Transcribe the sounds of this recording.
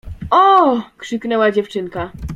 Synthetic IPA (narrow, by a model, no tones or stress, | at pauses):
ɔkʂɘknɛwad͡ʑɛft͡ʂɘŋka